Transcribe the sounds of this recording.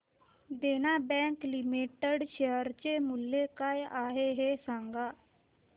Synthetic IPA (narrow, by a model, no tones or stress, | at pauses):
d̪eːnaːbɛ̃ːŋklɪmiːʈəɖʃeːəɾt͡ʃeːmʊlːeːkaːjaːɦeːɦeːsãːŋɡaː